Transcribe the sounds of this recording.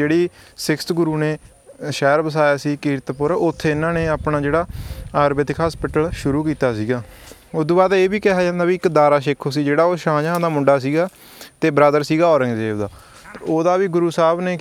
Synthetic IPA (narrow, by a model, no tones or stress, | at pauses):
eːɽiːsɪkst̪ɡʊɾuːneː | ʃɛːɾbəs̬aːjaːsiːkiːɾt̪pʊɾəʊt̪ʰːeːɪnãːneːaːpnãːd͡ʒeːɽaːaːɾbɪt̪ːkʰaspɪʈəlʃʊɾuːkiːt̪aːsiːɡaːʊd̪oːbaːd̪eːbiːkɛɦaːd͡ʒãːnd̪aːʋiːɪkd̪aːɾaːʃɪkʰoːs̬iːd͡ʒeːɽaːoːʃãːd͡ʒaãːd̪aːmʊ̃ɳɖaːs̬iːɡaː | t̪eːbəɾaːd̪əɾsiːɡaːɔːɾəŋɡd͡ʒeːʋd̪aː | oːd̪aːʋiːɡʊɾuːsaːbneː